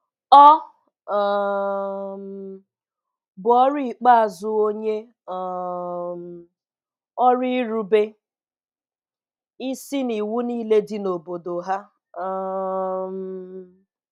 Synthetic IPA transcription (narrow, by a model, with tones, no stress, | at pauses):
ɔ˦˨ | bʊ˨ɔ˦ɾi˦˨k͡pa˦a˨zʊ˦o˦ɲe˦˨ | m˨ | ɔ˦ɾi˦ɾu˦be˦ | i˦si˦ni˨wu˦niː˦le˦di˦no˨bo˨do˨ɦa˦˨ | m